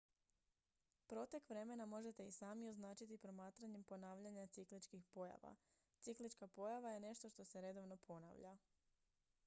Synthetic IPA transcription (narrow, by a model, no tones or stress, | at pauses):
pɾo̞t̪ekʋɾe̞me̞namo̞ʒe̞t̪e̞isaːmioznaːt͡ʃit̪ipɾo̞maːt̪ɾaɲe̞mpo̞naːʋʎaɲat̪siklit͡ʃkixpo̞ja̰ʋa̰ | t̪siklit͡ʃkapo̞jaʋaje̞ne̞ʃt̪o̞ʃt̪o̞se̞ɾe̞d̪o̞ʋno̞pʰo̞na̰ʋʎa